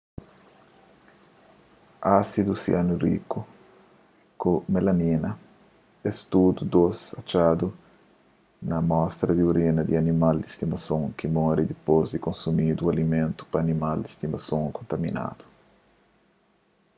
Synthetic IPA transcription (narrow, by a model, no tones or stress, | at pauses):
asid̪usḭʔanurḭkːu | kumelaninɐ | ɛst̪ud̪ud̪osat͡ʃad̪u | nɐmɔst̪ɾɐd̪iuɾinɐd̪ianimald̪ist̪imasõŋkimɔɾid̪ipozd̪ikonsumid̪ualimẽnt̪u̥paːnimald̪ist̪imasõŋkõnt̪amḭna̰d̪̥u̥